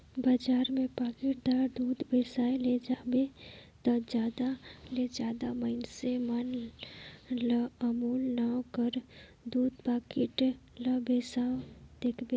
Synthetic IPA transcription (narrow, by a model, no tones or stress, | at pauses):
bad͡ʒaːɾmẽpaːkɪʈd̪aːɾd̪uːd̪beːsaːeled͡ʒaːbet̪əd͡ʒaːd̪aled͡ʒjaːd̪aməɪnseman | ləəmuːlnakəɾ | d̪uːd̪paːkɪʈləbeːsad̪̥eːkʰbe